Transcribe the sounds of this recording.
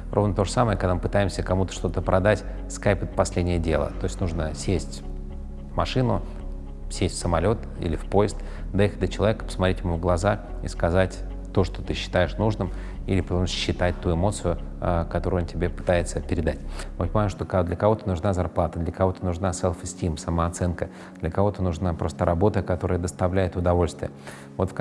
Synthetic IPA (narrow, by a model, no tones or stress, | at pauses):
rʔo̞vnət̪o̞ʐəsaməjəkɐɡ̪d̪amɨpɨt̪ajɪmsʲəkɐmut̪ə̥ʂt̪o̞t̪əpɾʔɐd̪atʲ | skajpɨt̪pɐsʲlʲedʲnʲɪjədʲe̞̰lˠə̰t̪o̞jɪsʲtʲnuʐnəsʲesʲtʲ | mɐʂɨnʊ | sʲesʲtʲfsəmɐlʲo̞t̪ | ḭlʲɪfpo̞jɪst̪ | d̪ɐjixət̚ʲd̪ət͡ɕɪlˠɐvʲekə̥pə̥smɐt̪ɾʲetʲjɪmuvɡlˠɐza | ḭskɐzatʲ | t̪o̞ʂt̪ot̪ɨɕːɪ̥t̪ajɪʂnuʐnɨm | ilʲɪpət̪omsɕːɪt̪at̚ʲt̪uɪmo̞t̪sɨjʊkɐt̪o̞ɾʊɨontʲɪbʲepɨ̥t̪ajɪt̪səpʲɪɾʲɪd̪atʲvot̪ʲmaʂt̪okd̪lʲəkɐvo̞t̪ənʊʐnazɐrplˠat̪əd̪lʲəkɐvo̞t̪ənʊʐnasɛlˠfɨsʲtʲimsəməɐt̪sɛnkə | d̪̥lʲəkɐvo̞t̪ənʊʐnapɾʔo̞st̪əɾʔɐbo̞t̪əkɐt̪o̞ɾəjəd̪əst̪ɐvlʲæjɪt̪ʊd̪ɐvo̞lʲst̪vʲɪ̰jə | vo̞t̪fk